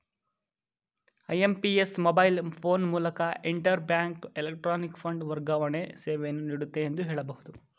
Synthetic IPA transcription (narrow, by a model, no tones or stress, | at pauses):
ɐjempiesmobɐjlpʰo̞ːnmuːlɐkɐʔiɳʈɐɾbjaːŋkelek̚ʈɾaːnikpʰɐɳɖʋɐɾɡaːʋɐɳeseːʋenːuniːɽut̪ːe̞ːnd̪uɦeːɭɐbɐɦud̪u